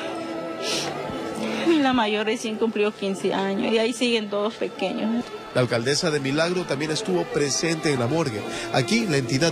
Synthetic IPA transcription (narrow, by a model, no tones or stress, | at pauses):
milamajoɾresjeŋkumpliokinseʔaɲo̰siaisiɣent̪oðospekeɲolaːlkald̪esaðemilaɣɾot̪ambje̞nest̪uβopɾese̞nt̪eːŋlamoɾɣeakilaent̪iða